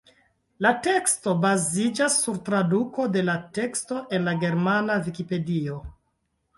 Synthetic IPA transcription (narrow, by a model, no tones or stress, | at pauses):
late̞ksto̞bazid͡ʒasːuɾtɾaduko̞de̞late̞ksto̞ʔe̞nlaɡe̞ɾmanavikipe̞dio̞